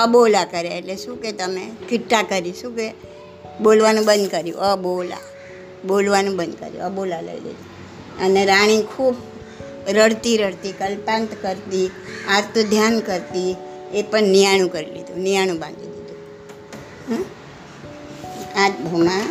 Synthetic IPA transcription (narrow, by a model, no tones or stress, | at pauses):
əbolakəɾjaeʈleʃũket̪əmekɪʈːakəɾiʃũke | bolʋanũbə̃nd̪kəɾjṵ̃ʔəbola̰ | bolʋanũbə̃nd̪kə̰ɾjṵəbolalə̰ḭlḭd̪ʱu | əneɾaɽ̃ĩkʰub | ɾəɽt̪iɾəɽt̪ikəlpãnt̪kəɾt̪iaɾt̪ʰəd̪ʱjankəɾt̪i | epəɳnijaɽ̃ũkəɾilḭd̪ʱũnijaɽ̃ũbãnd̪ʱid̪id̪ũ | ɦ | at̪bʱəmã